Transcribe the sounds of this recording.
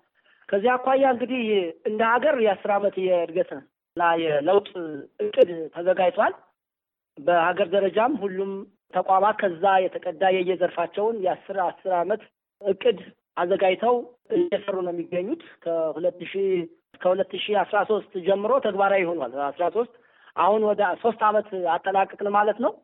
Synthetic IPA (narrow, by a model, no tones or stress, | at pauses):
kʰəzːihakʷajːaɨŋɡɨd̪ihɨnd̪əhaɡəɾjɛasːɨɾamət̪jɛɨd̪ɡət̪ə | ɨnːajɛləwt̪ʼɨkʼːɨd̪t̪ʰəzəɡajt̪ʰwal | bəhaɡəɾd̪əɾəd͡ʒamhulːum | t̪ʰəkʷʼamat̪kʰəzːajɛt̪ʰəkʼəd̪ːajɛjːɛzəɾfat͡ʃːɛwnjɛasːɨɾasːɨɾamət̪ | ɨkʼːɨd̪ | ʔazəɡajt̪ʰəwʔɨjɛsərːunəjmːiɡːəɲːut̪kʰəhulət̪ːɨʃih | skʰəhulət̪ːɨʃihasɾaso̞st̪ʼd͡ʒɛmːɨɾo̞t̪ʰəɡbaɾajɪho̞nalasɾaso̞st̪ʼ | ʔa̰hunwɔd̪əso̞st̪ʼamət̪at̪ʼːənakʼːəkʼnəwmalət̪nəw